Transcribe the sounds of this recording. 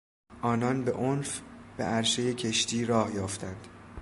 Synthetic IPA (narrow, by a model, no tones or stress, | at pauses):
ʔɒːnɒnbe̞ʔonfb̥e̞̰ʔæɾʃe̞je̞cʰe̞ʃt̪iːɾɒːhjɒːft̪ʰænd̪̥